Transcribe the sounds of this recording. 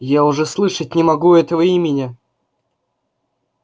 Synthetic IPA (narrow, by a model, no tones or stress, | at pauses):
jaʊʐɛslˠɨʂətʲnʲɪmɐɡuɛt̪əvəimʲɪnʲɪ